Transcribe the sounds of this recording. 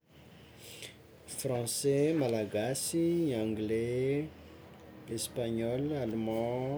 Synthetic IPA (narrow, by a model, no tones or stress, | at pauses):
frɑ̃sɛmalaɡasiãŋɡle | espaɲɔlalumã